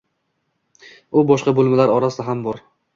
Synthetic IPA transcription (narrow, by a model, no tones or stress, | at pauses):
ʊbɒʃqɑbolˠmɪlaɾɒɾasɪd̪aɦambɒɾ